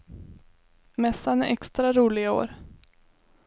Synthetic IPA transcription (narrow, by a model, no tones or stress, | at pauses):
mɛsːanɛʔɛkst̪ɾaɾuːlɪao̰ːɾ